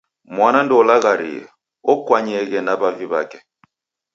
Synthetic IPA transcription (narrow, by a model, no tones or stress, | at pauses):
mwanandɔlaɣaɾḭɛ̰ | ɔkwaɲɛɣɛnabaviβa̰kɛ